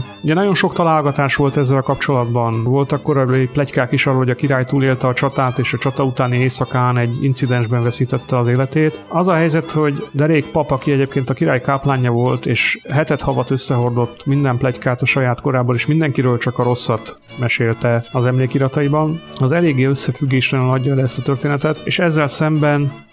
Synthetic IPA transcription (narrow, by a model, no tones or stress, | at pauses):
uɟɛnɒɟo̞nʃo̞kt̪ɒlaːlɡɒt̪aːʃʋo̞lt̪ɛzːɛlkɒpt͡ʃo̞lɒd̪bɒnvo̞lt̪ɒkːo̞ɾɒbiplɛckaːkiʃɒːrolhoɟɒkiɾaːjt̪uːleːlt̪ɛːt͡ʃɒt̪aːt̪eːʃɒt͡ʃɒt̪ɒut̪aːnieːsɒkaːnɛɟːḭnsid̪ɛnʒbɛɱvɛsiːt̪ɛt̪ːɛɒzeːlɛt̪eːt̪ɒzɒɦɛjzɛt̪ho̞ɟd̪ɛɾeːkpɒpɒkiɛɟeːp̚keːnt̪ɒkiɾaːjkaːplaːɲːɒvo̞lt̪eːʃɦɛt̪ɛt̪hɒvɒt̪ø̞sːɛɦo̞rd̪o̞t̪ːmind̪ɛmplɛckaːt̪ɒʃɒjaːt̪ko̞ɾaːboleʃmind̪ɛŋkiɾøːlt͡ʃɒkɒɾo̞sːɒt̪ | mɛʃeːlt̪ɛɒzɛmleːkiɾɒt̪ɒibɒnɒzɛleːɡːeːø̞sːɛfyɡːeːʃlɛnylɒɟːɒɛlɛɛst̪ɒt̪ørt̪eːnɛt̪ɛt̪eːʃɛzːɛlsɛmbɛn